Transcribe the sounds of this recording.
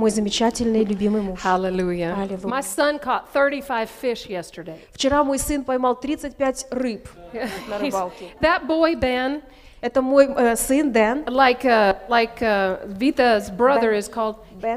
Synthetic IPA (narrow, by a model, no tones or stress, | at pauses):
mo̞jzəmʲɪt͡ɕatʲɪlʲnɨjlʲʉbʲimɨjmuhalˠɪlʲujəalʲɪlˠumaɪsʌ̃nkʰɔt̪̚θɜ˞ɾifaɪv̥fɪʃjɛstə˞deɪft͡ɕɪɾamo̞jsɨnpɐjmalˠt̪ɾʲit̪sɨt̚ʲpʲætʲrɨpjnɾlˠkðɨt̚boɪbɛ̃n | ɛt̪əmojsɨnd̪ɛnlaɪkʌlaɪkʌvʲitəzbɹʌðə˞ɪz̥kʰɔlˠd̚b